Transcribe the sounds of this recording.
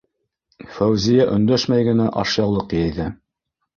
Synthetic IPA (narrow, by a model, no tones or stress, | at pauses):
fæwzijæʔɵ̆nd̪æʃmæjɡɘ̆næʔɑʃjɑwlˠɤqjæjðɘ